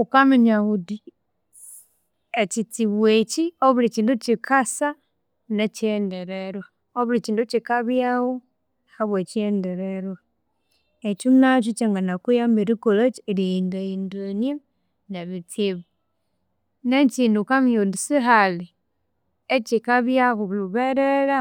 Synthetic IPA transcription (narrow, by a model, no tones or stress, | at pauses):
ukamiɲahudi | et͡ʃitiβwet͡ʃioβuɾit͡ʃiːndut͡ʃikʰasa | net͡ʃendeɾeɾwa | oβuɾit͡ʃiːndut͡ʃikaβjawo | haβwet͡ʃiendeɾeɾwa | et͡ʃumnat͡ʃut͡ʃaŋɡanakujambiɾikolot͡ʃlindaindonje | neβitiβu | net͡ʃindukamjodusiɦali | et͡ʃikaβjaɣuβluβeɾeɾa